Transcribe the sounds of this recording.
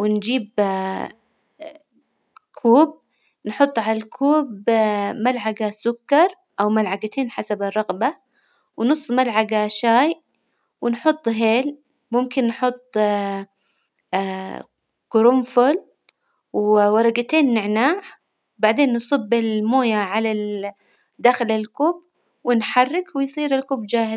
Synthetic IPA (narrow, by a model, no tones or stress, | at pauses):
wɪnd͡ʒiːb | kʰuːb̚ | nħʊt̪ˤːʕalalkʰuːbmalʕaɡasʊkːɑɾˤ | ʔawmalʕaɡat̪ʰeːnħasabɪrˤːɑɣba | wnʊsˤːmalʕaɡaʃaːj | wɪnħʊt̪ˤːɦeːl | mʊmkɪnːħʊt̪ˤː | kʊɾʊmfʊl | wwɑɾˤɑɡat̪eːnːɪʕnaːʕ | wbaʕd̪eːnːsˤɨbːɪlmoːjaʕala | d̪axlɪlkuːb | wɪnħɑrˤːɪkwɪjsˤiːɾɪlkuːbd͡ʒaːhɪz